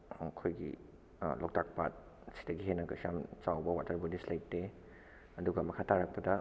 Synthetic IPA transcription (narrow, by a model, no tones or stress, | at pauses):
mɐkʰojɡḭ | lok̚tak̚pat̚ | si̥dɐɡiɦenɐkɐsijamt͡ʃawbɐwatɐɾbodislajtːe | ɐduɡɐmɐkʰatʰaɾak̚pɐdɐ